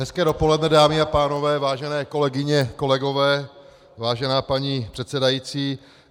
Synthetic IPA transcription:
nɛskɛːdo̞po̞lɛdnɛdaːmɪapaːno̞vɛːvaːʒɛnɛːko̞lɛɡɪɲɛko̞lɛɡo̞vɛː | vaːʒɛnaːpaɲipr̥ɛt̪sɛdajit͡siː

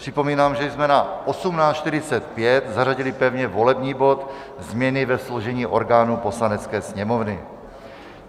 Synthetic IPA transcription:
r̥ɪpo̞miːnaːmʒɛzmɛnaʔosumnaːt͡ʃʃt̪ɪɾɪt͡sɛt̪̚pjɛt̪zaraɟɪlɪpɛvɲɛvo̞lɛbɲiːbo̞t̪ | zmɲɛnɪvɛsloʒɛɲiːʔo̞ɾɡaːnupo̞slanɛt͡skɛːsɲɛmovnɪ

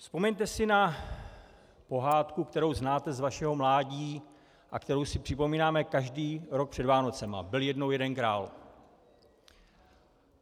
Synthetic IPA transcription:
spo̞mɛɲt̪ɛsɪna | po̞ɦaːt̪kukt̪ɛɾo̞wznaːt̪ɛzvaʃɛɦo̞mlaːɟiː | ʔa̰kt̪ɛɾo̞wsɪpr̝̥ɪpo̞miːnaːmɛkaʒdiːɾo̞k̚pr̝̥ɛdvaːno̞t͡sɛma̰bɪljɛdno̞wjɛdɛnkɾaːl

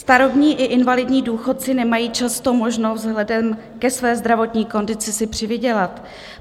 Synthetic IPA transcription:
st̪aɾobɲiːʔɪʔɪnvalɪdɲiːduːxo̞t̪̚t͡sɪnɛmajiːt͡ʃast̪o̞mo̞ʒno̞vzɦlɛdɛm | kɛsvɛːzd̪ɾavo̞t̪ɲiːko̞ndɪt͡sɪsɪpr̝̥ɪvɪɟɛlat̪

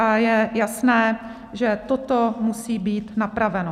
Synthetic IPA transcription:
ajɛjasnɛː | ʒɛt̪ot̪omusiːbiːt̪napɾavɛno

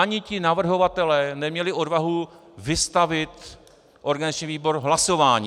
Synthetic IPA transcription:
aɲɪcɪnavr̩ɦo̞vat̪ɛlɛːnɛmɲɛlɪʔo̞dvaɦuvɪst̪avɪt̪ | ʔoɾɡanzat͡ʃɲiviːbo̞ɾɦlaso̞vaːɲi

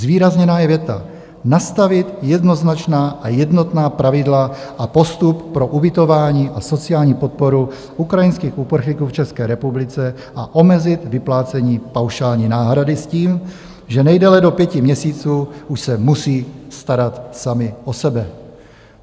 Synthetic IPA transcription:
zviːɾazɲɛnaːjɛvjɛt̪a̰ | nast̪avɪt̪jɛdno̞znat͡ʃnaːʔajɛdno̞t̪naːpɾʔavɪdlaʔapo̞st̪uppɾo̞ʔubɪt̪o̞vaːɲiːʔaso̞t͡sɪaːlɲiːpo̞t̪̚po̞ɾu | ʔukɾajɪnskiːxʔupr̩xlikuːft͡ʃɛskɛːɾɛpublɪt͡sɛ | ʔa̰ʔo̞mɛzɪt̪vɪplaːt͡sɛɲiːpawʃaːlɲiːnaːɦɾadɪsciːm | ʒɛnɛjdɛlɛdo̞pjɛcɪmɲɛsiːt͡suːʔuʃsɛmusiːst̪aɾat̪samɪʔosɛbɛ

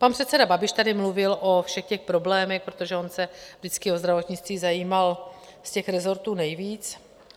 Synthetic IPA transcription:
panpr̥ɛt̪sɛdababɪʃt̪adɪmluvɪlʔo̞fʃɛxcɛxpɾo̞blɛːmɛxpɾo̞t̪o̞ʒɛo̞nsɛvdɪt͡skɪo̞zd̪ɾavo̞t̪ɲɪt͡st̪viːzajiːmalscɛxɾɛzo̞ɾt̪uːnɛjviːt͡s

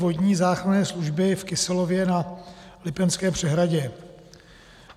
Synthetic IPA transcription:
voɟɲiːzaːxɾanɛːsluʒbɪfkɪsɛlo̞vjɛnalɪpɛnskɛːpr̝̥ɛɦɾaɟɛ

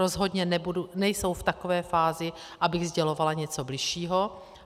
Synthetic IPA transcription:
o̞zɦo̞dɲɛnɛbudunɛjso̞wft̪akovɛːfaːzɪ | ʔabɪɣzɟɛlo̞valaɲɛt͡so̞blɪʃiːɦo̞

